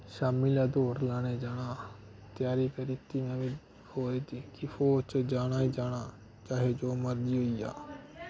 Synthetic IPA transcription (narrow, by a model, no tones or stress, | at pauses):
ʃaːmilaːd̪oːɾlaːɽ̃eːd͡ʒaːɽaː | t̪jaːɾiːkəɾit̪iːnãːʋiː | hoːɾiːt̪ikɪfʰoːt͡ʃd͡ʒaːɽ̃aːid͡ʒaːɽaː | t͡ʃaːɦeːd͡ʒoːməɾd̪iːɦoːiːja̰ː